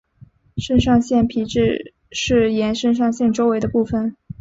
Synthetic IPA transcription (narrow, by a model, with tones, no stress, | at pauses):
ʂə˥˧ŋʂɑ˥˧ŋɕjɛ˥˩npʰi˧˥ʈ͡ʂɻ̩˥˧ | ʂɻ̩˥˩jɛ˧˥nʂə˥˧nʂ̬ɑ˥˧ŋɕjɛ˥˩nʈ͡ʂo˥ʊwe˧˥ɪd̪ə˧pu˥˩fə˩n